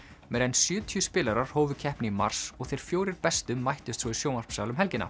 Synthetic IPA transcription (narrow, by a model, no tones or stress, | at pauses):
mɛɾɛnsjʏːt̪ʰijʏspɪːlaɾaɾ̥hoːwvʏcʰɛhpnɪima̰r̥sɔɣθejɾ̥fjoːwɾɪɾpɛst̪ʏmːajht̪ʏst̪svɔisjoːwnar̥psjaːwlʏmɦɛlcɪnːa̰